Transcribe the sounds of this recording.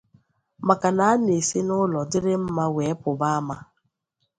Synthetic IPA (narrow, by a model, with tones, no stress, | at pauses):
ma˨ka˨na˨a˦ne˨sɪ˦nʊ˦lɔ˨dɪ˦ɾɪ˦m̩˦ma˦we˨˦pʊ˨ba˦a˦ma˦